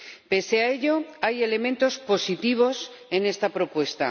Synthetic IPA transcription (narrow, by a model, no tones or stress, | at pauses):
pe̞seae̞ʎo̞aje̞le̞mẽnt̪o̞spo̞sit̪iβ̞o̞s | e̞ne̞st̪apɾo̞pwe̞st̪a̰